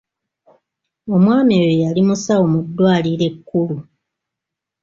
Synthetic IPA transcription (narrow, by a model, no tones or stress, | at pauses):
o̞mwaːmejojalimusawo̞mudːwaːliɾe̞kːulu